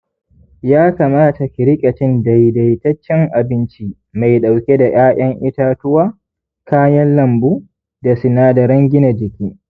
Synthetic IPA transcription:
jaː˦kaː˨maː˦ta˨kʲɪ˨ɾɪ˦kʲʼɐ˨t͡ʃɪ˦nda˨jda˨jtɐ˦t͡ʃːɛ˦ŋʔa˨bɪ˦nt͡ʃi˦ | ma˨jɗa˨wkʲe˦da˨ʔaː˦ʔɐ˦ŋʔɪ˦taː˦tʊ˦waː˦ | kaː˦jɐ˦nlɐ˦˨mbuː˦ | da˨sɪ˨naː˦da˨ɾɐ˦ŋɡʲɪ˦na˨d͡ʒɪ˨kʲiː˦

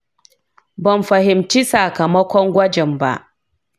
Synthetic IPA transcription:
bɐ˨mɸɐ˨hɪ˨mt͡ʃi˦sɐa˨kɐ˨mɐ˦kʷɔ˦ŋɡʷɐ˦d͡ʒɛ˨mba̰˦ʔ

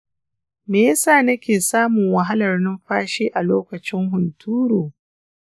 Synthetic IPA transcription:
meː˨jɐ˦saː˦˨nɐ˦kʲeː˨saː˦mʊ˨ŋwɐ˨ɦa˦lɐ˨rnɪ˦mɸaː˦ʃeː˦ʔa˨loː˦kɐ˨t͡ʃɪ˦ŋɦʊ˨ntuː˦ɾoː˨

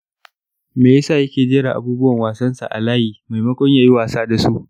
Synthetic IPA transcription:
meː˨jaː˦saː˦˨jɐ˦kʲeː˨d͡ʒeː˦ɽa˨ʔa̰˨buː˦bʊ˦wɐ˨ŋwaː˨sɐ˦nsa̰˨ʔa̰˨laː˦hiː˨ma˨jmɐ˦kʷɔ˦ɲjaː˨ji˦waː˨saː˦da˨su˦ʔ

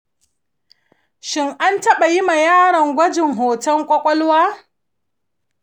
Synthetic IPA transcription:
ʃɪ˦ŋʔa˦ntɐ˦ɓa˨ji˦ma˨jaː˦ɽɐ˨ŋɡʷɐ˦d͡ʒɪ˨ŋɦoː˨tɐ˦ŋkʷʼɔ˦kʷʼɔ˦lwaː˦

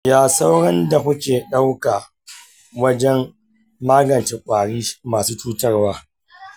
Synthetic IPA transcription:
jaː˦sa˦wɽɐ˦nda˨hʊ˦kʲeː˨ɗa˦wka˨ | wɐ˦d͡ʒɛ˦mː | aː˦ɡɐ˨nt͡ʃɪ˨kʷʼaː˨ɽiː˦maː˨suː˦t͡ʃuː˦tɐ˦rwaː˦

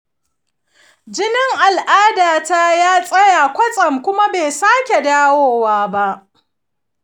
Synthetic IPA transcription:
d͡ʒɪ˦nɪ˦ŋʔa˨lʔaː˦daː˨ta˦jaː˦sʼɐ˦ja˨kʷɐ˦t͡sʼɐ˨mkʷʊ˦ma˦beː˨saː˦kʲe˨daː˦woː˦waː˦ba˦ʔ

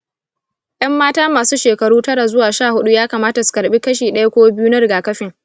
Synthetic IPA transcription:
jʔɐ˦mːaː˦taː˦maː˨suː˦ʃeː˨kɐ˨ɽuː˦tɐ˦ɽa˨zʊ˦waː˨ʃaː˦˨hʊ˦ɗu˦jaː˦kaː˨maː˦ta˨su̥˨kɐ˨ɽɓiː˦kɐ˦ʃiː˨ɗɐ˦ja˦kʷoː˦bɪ˦ju˦nɐ˦ɾɪ˨ɡaː˨kɐ˦ɸɪ˨ŋ

